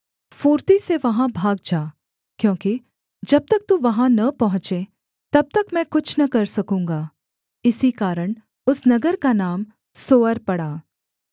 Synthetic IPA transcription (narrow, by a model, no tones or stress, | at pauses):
fuːɾt̪iseʋɐɦãbʱaːɡ̚d͡ʒaː | kjõːki | d͡ʒɐb̚t̪ɐk̚t̪uʋɐɦãnɐpɐɦʊ̃t͡ʃe | t̪ɐb̚t̪ɐkmɛ̃ːkʊt͡ʃʰnɐkɐɾsɐkũːŋɡaː | ɪsikaːɾəɽ̃ | ʊsnɐɡəɾkanaːm | soːəɾpɐɽaː